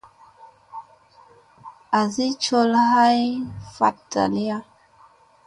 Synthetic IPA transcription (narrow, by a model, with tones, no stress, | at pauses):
a˨zi˦t͡ʃo˦lha˦jfa̰˨t̚da̰˨li˦ja˦